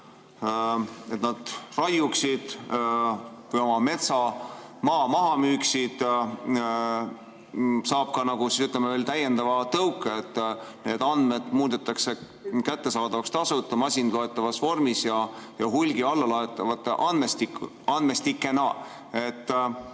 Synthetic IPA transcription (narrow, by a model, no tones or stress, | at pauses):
e̞t̪nɑd̪̥rɑjuksid̪̥ | vɯjomɑme̞t̪sɑmɑːmɑɦɑmyːksid̪̥ | sɑːb̥̚kɑnɑɡ̥usisyt̪ːˑlemeveːlt̪æje̞nd̪ɑvɑt̪ɤwkːˑeet̪ːne̞ːd̪ɑnd̪̥me̞d̪̥muːd̪et̪ːˑɑkse̞ | kæt̪ːe̞sɑːd̪ɑvɑkst̪ɑsut̪ːˑɑmɑsʲinloet̪ːˑɑvɑsvo̞rmisjɑjɑɦulʲɡiɑlːɑlɑet̪ːˑɑvɑt̪ːeʔɑnmest̪ik | ɑnd̪me̞st̪ikːˑe̞nɑ | e̞t̪ː